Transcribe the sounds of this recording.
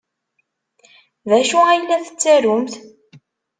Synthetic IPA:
ðæʃuæjlːæθə̥t͡sːæɾumθ

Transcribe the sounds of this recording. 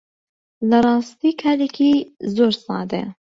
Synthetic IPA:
lɐrˤɑːst̪iːkʰaːlekʰizoːɾsɑ̰ːd̪ḛ

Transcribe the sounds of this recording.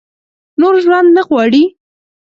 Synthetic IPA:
noɾʒwand̪naɣwɑɽi

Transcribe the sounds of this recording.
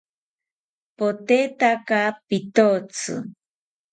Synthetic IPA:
pot̪et̪akapit̪ot͡sɨ̰

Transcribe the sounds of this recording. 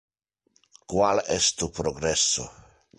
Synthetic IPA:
kwalɛst̪upɾoɡɾesːo̰

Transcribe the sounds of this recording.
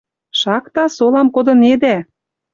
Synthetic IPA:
ʃɑkt̪ɑsolɑmkod̪ɤ̆ned̪æ

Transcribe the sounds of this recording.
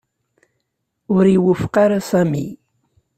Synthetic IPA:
ʊɾiwəfqaɾasæmḭ

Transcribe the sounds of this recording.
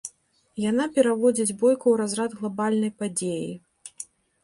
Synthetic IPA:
janapʲɛɾavɔd͡zʲid͡zʲbɔjkuwɾazɾad̪ɣlˠabalʲnɐjpad͡zʲejḭ

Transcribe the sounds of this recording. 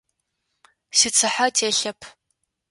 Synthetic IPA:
sɪt͡sʰɨħatʰeːɬɐpʰ

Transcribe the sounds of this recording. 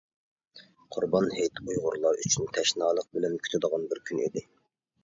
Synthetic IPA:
qʰʊɾbɑnɦejt̪ʰujʁʊɾlˠɑɾyt͡ʃʰynt̪ʰɛʃnɑːlˠəq̚bɪlɛnkʰʲy̥t̪ʰɪd̪əʁɑnbɪɾkʲʰynḭd̪ɪ

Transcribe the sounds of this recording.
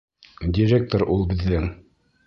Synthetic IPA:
dʲiɾʲek̚t̪oɾʔulˠbɘ̆ðːɘŋ

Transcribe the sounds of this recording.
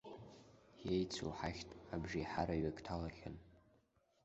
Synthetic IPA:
jejt͡sʰo̰ħaxʲtʼabʒiħaɾaɥakʼtʰalaχʲɪ̰n

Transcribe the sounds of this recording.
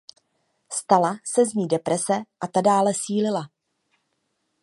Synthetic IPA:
st̪alasɛzɲiːdɛpɾɛsɛʔat̪adaːlɛsiːlɪla

